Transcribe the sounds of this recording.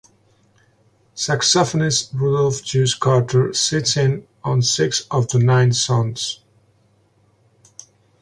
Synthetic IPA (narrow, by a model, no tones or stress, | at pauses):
sæksɔfənɨsɹudlˠfd͡ʒʉskʰɑɹtʰə˞sɪtsɪ̃n | ə̃nsɪksʌvðənãɪ̃nsʌ̃nz̥